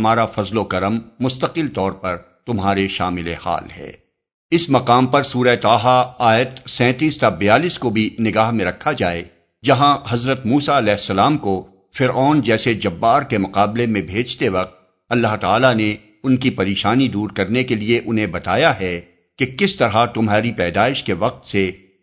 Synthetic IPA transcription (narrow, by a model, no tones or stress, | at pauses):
ɐmaːɾafɐzlokɐɾəmːʊst̪əqɪlt̪ɔːɾpɐɾ | t̪ʊmɦaːɾeʃaːmɪleha̰ːlɦɛ̰ː | ɪsmɐqaːmpɐɾsuːɾaet̪aːɦaaːjət̪sɛ̃ːt̪iːst̪abɪjaːliːskobʱinɪɡaːɦmẽɾɐkʰːad͡ʒaːe | d͡ʒɐɦãɦɐzɾət̪muːsaɐlɛːɦsːɐlaːmko | fɪɾɔːnd͡ʒɛːsed͡ʒɐbːaːɾkemʊqaːblemẽbʱeːd͡ʒt̪eʋɐq̚t̪̚ | ɐlːaɦt̪aːlane | ʊnkipɐɾeːʃaːnid̪uːɾkɐɾnekelieʔʊnɦẽbɐt̪aːjaɦɛ | kekɪst̪ɐɾɦat̪ʊmɦaːɾipɛːd̪aːɪʃkeʋɐq̚t̪se